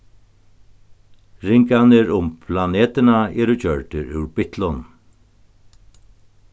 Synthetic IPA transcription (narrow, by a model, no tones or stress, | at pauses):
ɾɪŋkanɪɾʊmpʰlaneːt̪ɪnaɛːɾʊt͡ɕœɹʈ̪ɪɾʉ̰wɾpɪht̪lʊn